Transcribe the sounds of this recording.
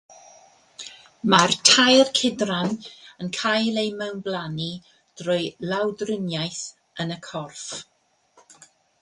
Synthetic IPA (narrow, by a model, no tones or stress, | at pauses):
martʰajrkʰɪdranənkʰajlˠejmɛwnblˠani | d̥rʊjlˠawdrənjajθ | ənəkʰɔrf